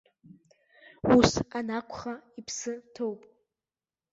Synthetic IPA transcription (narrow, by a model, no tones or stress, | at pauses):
usanakʷʰʼχaipʰsɨtʰowpʼ